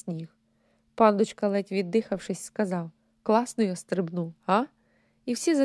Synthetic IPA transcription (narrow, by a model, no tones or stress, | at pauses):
nʲix | pɑnd̪ʊt͡ʃkɐlˠɛtʲʋʲid̪ːɪxɐwʃɪsʲskɐzɑw | klˠɑsnʊjʊst̪ɾɪbnuhɑ | iwsʲizɐ